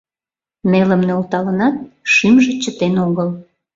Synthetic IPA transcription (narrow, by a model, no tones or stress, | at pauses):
meləmnølt̪ɑlənɑt̪̚ʃimʒet͡ɕət̪enoɣəl